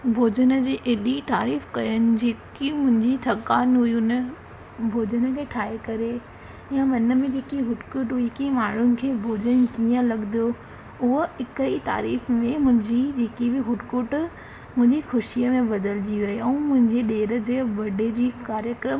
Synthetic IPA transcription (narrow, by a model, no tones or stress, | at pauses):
bʱoːd͡ʑənə̆d͡ʑeːʔɪɗit̪aːɾiːfkɐjənɪ̆d͡ʑeːkimʊ̃ɦɪ̃ɲd͡ʑit̪ʰɐkaːnɦuiʊnə | bʱoːd͡ʑənəkʰeːʈʰaːekɐɾe | jãʋɐnəmẽd͡ʑeːkiɦʊʈkʊʈɦʊikimaːɳ̤ʊnɪ̆kʰeːbʱoːd͡ʑənkiːə̃lɐɠd̪o | ʊɦoɪkəit̪a̰ːɾiːfmẽmʊ̃ɦɪ̃ɲd͡ʑid͡ʑeːkibɪɦʊʈkʊʈ | mʊ̃ɦɪ̃ɲd͡ʑixʊʃijəmẽbɐd̪əld͡ʑiʋeeɛ̃ːmʊ̃ɦɪ̃ɲd͡ʑeɗeːɾə̆d͡ʑeːʋɐɖed͡ʑiːkaːɾjəkɾəm